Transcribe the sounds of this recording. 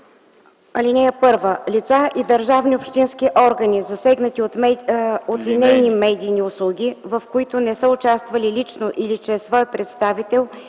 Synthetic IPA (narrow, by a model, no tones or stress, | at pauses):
ɐlʲinɛjəpɤɾvəlit̪saʔid̪əɾʒavniʊpʃt̪inskiʔɔɾɡənizɐsɛɡnət̪io | ot̪linɛjnimɛd̪iːniʊslˠuɡʲivəfkoit̪ʊnɛsəʊt͡ʃast̪vɐlilit͡ʃnoʔilit͡ʃɛsvɔjpɾɛt̪st̪avit̪ɛlˠ